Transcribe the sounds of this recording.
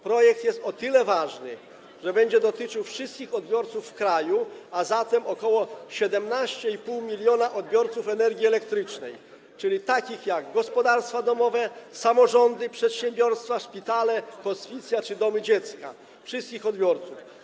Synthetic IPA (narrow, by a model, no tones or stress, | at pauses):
pɾɔjɛk̚t̪jɛst̪ɔt̪ɘlɛvaʐnɘ | ʐɛbɛɲd͡ʑɛd̪ɔt̪ɘt͡ʂɘwfʂɨst̪kʲixɔd̪bʲjɔɾt̪sufːkɾajuazat̪ɛmɔkɔwɔɕɛd̪ɛmnaɕt͡ɕɛipuwmʲilʲjɔnaʔɔd̪bʲjɔɾt̪sufɛnɛɾɡʲiɛlɛkt̪ɾɘt͡ʂnɛj | t͡ʂɘlʲit̪akʲixjaɡɡɔspɔd̪aɾst̪fad̪ɔmɔvɛsamɔʐɔnd̪ɘpʂɛt̪ɕɛmbʲjɔɾst̪faʂpʲit̪alɛkɔsfʲit̪sʲjat͡ʂɘd̪ɔmɘd͡ʑɛt̪ska̰ | fʂɨst̪kʲixɔd̪̚bʲjɔɾt̪suf